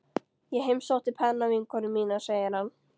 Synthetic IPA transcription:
jɛɦejmsowht̪ɪpʰɛnːavɪŋkʰɔnʏmːiːnaseːjɪɾ̥hanː

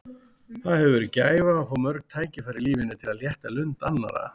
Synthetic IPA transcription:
θaðhɛvʏɾcaːjvaːfɔwmœɾknt̪ʰaːjcɪfajɾɪliːvɪnʏt̪ʰɪlaðljɛht̪alʏnt̪anːa̰ɾa̰

